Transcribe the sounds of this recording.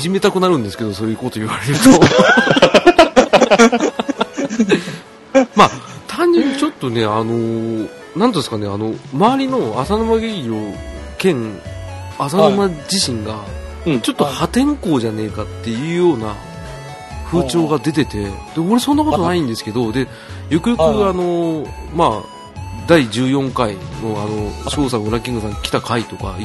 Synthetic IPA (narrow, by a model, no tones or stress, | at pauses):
iʑime̞t̪akɯ̟naɾɯ̟̃nd̪e̞sɨ̥ke̞d̪o̞so̞ɾe̞ikoːt̪o̞iβaɾe̞ɾɯt̪o | mat̪ãɲd͡ʑĩɲ̟ːit͡ɕo̞t̪ːo̞ne̞ano̞ | nãnt̪od̪sɨkane̞ano̞maβaɾʲino̞asanomaɡeɡʲiɾoːkẽ̞ŋ | asanomad͡ʑiɕĩŋɡa | t͡ɕo̞t̪ːo̞hat̪ẽ̞ŋko̞ːʑane̞ːkat̪ːe̞jɯ̟ːjo̞ːna | ɸɯ̟ːt͡ɕo̞ːɡad̪e̞t̪e̞t̪e̞d̪̥e̞oɾe̞sõ̞nːako̞t̪t̪onaĩnd̪e̞sɨ̥ke̞d̪o̞d̪e̞ | jo̞kɯ̟jo̞kɯ̟ano̞maː | d̪aid͡ʑɨːjõ̞ŋkaino̞ano̞ɕo̞ːs̬aɯ̟ɾakʲĩŋɡɯs̬ãŋkʲi̥t̪akait̪o̞ka̰